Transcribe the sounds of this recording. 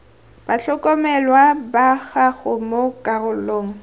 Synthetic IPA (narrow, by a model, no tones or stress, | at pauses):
b̥aɬʰɔkʼɔmɛlwabaɣaɣʊmokʼarʊloːŋ̩